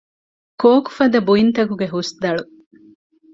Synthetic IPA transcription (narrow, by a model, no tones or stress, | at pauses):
koːku̥fɐd̪ɐbuint̪ɐkuɡeɦusd̪ɐɭu